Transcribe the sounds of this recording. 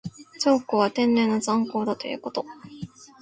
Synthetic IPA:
t͡ɕokːoβat̪ẽ̞nːẽ̞nːozãŋko̞ːd̪at̪o̞̰jɯ̟̰ko̞t̪o̞

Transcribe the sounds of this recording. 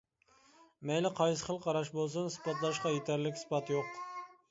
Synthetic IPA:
mɛjlɪqʰɑjsəχəlˠqʰɑɾɑʃbolˠs̬ɨnsɨ̥pɑt̪lˠɑʃqɑjet̪ʰæɾlɪkʲsɨ̥pɑt̪joq̚

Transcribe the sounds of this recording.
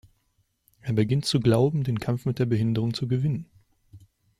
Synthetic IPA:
ʔeːɐbəɡɪntt͡suɡlaʊbm̩deːnkʰamfmɪt̚d̥eːɐbəɦɪndəʁ̞ʊŋt͡suɡəvɪnən

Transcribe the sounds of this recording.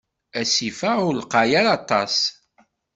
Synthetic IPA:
æsifæʊlqɑjaɾɑt̪ˤɑ̰s

